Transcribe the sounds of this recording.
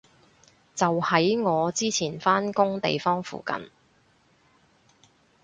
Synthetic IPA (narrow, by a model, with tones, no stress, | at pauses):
t͡sɐ˨whɐ˨˥jŋɔː˨˧t͡siː˥t͡sʰiː˨˩nfaː˥nkʊ˥ŋt̪ḛ˨jfɔː˥ŋfṵː˨kɐ̰˨˩n